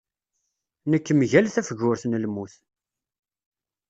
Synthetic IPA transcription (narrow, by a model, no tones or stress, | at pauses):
nəkːmʝælθæfəʝʊɾθnəlmuθ